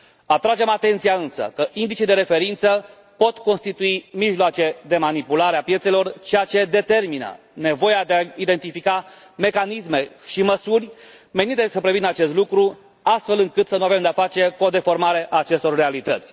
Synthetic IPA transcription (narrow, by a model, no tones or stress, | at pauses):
at̪ɾad͡ʒe̞mat̪e̞nt̪sijaɨnsə̰kəʔind̪it͡ʃid̪e̞ɾe̞fe̞ɾint̪sə | po̞t̪ko̞nst̪it̪uimiʒloat͡ʃe̞d̪e̞manipulaɾeapje̞t̪se̞lo̞rt͡ʃejat͡ʃe̞d̪e̞t̪e̞rminə̰ | ne̞vo̞ead̪eaid̪e̞nt̪ifika | me̞kanisme̞ʃiməsurʲ | me̞nit̪esəpɾe̞vinəat͡ʃe̞s̬t̪lukɾu | ast̪fe̞lɨŋkɨt̪sənuave̞md̪eafat͡ʃe̞kuod̪e̞fo̞rmaɾe̞ʔaːt͡ʃe̞st̪o̞rːe̞alit̪ət̪sʲ